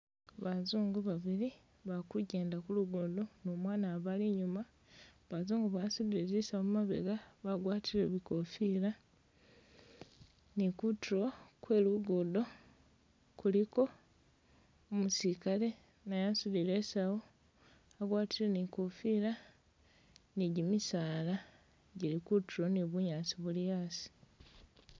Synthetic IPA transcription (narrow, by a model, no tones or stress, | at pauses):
βazuːŋɡuβaβili | βakuɟe̞ːndakuluɡodo̞nomwaːnaβaliɲuma | βazuːŋɡuβasudiɾisaoumaβḛɡaβaɡwaːtileβiko̞fila | nikutʰɾokwe̞ːluɡodo̞ | kuliko̞ | omusikale̞ | najasuðile̞sawo | aɡwaːtilenikofila | niɟimisaːla | ɟilikutuɾoniβuɲaːt͡siβulijasi̥